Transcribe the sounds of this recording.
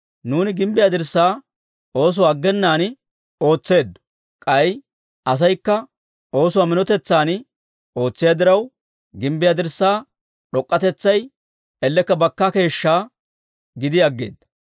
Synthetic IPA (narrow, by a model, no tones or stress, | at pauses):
nuːnɪɡɪmbɪjad̪ɪɾsːaː | ʔo̞ːs̬ʊwaːɡːɛnːaːn | o̞ːt͡sːe̞ːd̪ | kʼɐj | ʔɐs̬ɐjkːɐ | ʔo̞ːsʊwaːmɪnɔt̪ɛt͡sːaːn | o̞ːt͡sːɪjɐd̪ɪɾɐw | ɡɪmbɪjad̪ɪɾsːaː | ɗɔkʼːɐt̪ɛt͡sːɐj | ɛlːɛkːɐbɐkːake̞ːʃːaː | ɡɪd̪ɪɐɡːḛːd̪ɐ